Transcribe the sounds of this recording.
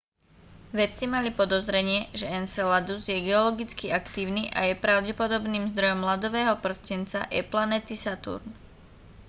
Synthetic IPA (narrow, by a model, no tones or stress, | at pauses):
ʋɛt͡simalipɔd̪ɔzɾɛɲɪɛʒɛɛnsɛlad̪uzjɛɡɛɔlɔɡit͡skiakt̪iːʊniʔa̰jɛpɾaʊɟɛpɔd̪ɔbniːmzd̪ɾɔjɔmːlad̪ɔʋɛːɦɔpr̩scɛnt͡sa̰jɛ̰planɛt̪isat̪ṵɾn